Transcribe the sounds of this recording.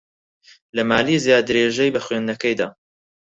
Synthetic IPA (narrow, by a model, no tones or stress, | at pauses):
lɐmaːlizjaːd̪ɨɾeːʒɛjbɐxwend̪nɐkɛjd̪a̰ː